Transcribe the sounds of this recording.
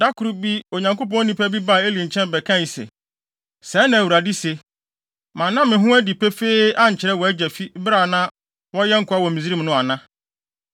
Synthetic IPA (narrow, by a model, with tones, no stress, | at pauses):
da˦kʰʊ˨ɾu˦bi˦o˨ɲã˨ŋko˦pɔ̃˦nĩ˦pʰæ˦bi˦ba˦˨e˦lĩ˨ɲ̩˨t͡ɕʰɛ̃˦nbɛ˨kʰã˦˨ji˨sɛ̰˨ | sɛː˨˦nã˨æ˨wu˨ɾa˨di˦se˨ | mã˨nːã˦mɪ̃˨ɦʊ̃˦æ˦di˨pʰɛ˦fe˦ʔa˦ɲ̩˨t͡ɕʰɪ˨ɾɛ˦wɔ˨æ˦d͡ʑɛ˨fi˦bɾa˨nã˦ | wɔ˦jɛ˦ŋ̩˦kʰʊ˨˦a˦wɔ̃˨mĩ˨zi˦ɾi˦m˨nʊ̃˦a˨nã˦